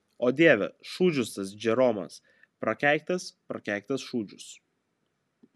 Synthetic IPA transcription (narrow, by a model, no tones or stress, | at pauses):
oːd̪ʲeːʋʲɛ̰ʃuːd͡ʒʲʊst̪ɐsd͡ʒʲɛɾoːmɐ̰s | pɾɐkʲæˑɪk̚t̪ʲɐspɾɐ̰kʲæˑɪk̚ʲt̪ɐsʃuːd͡ʒʲʊs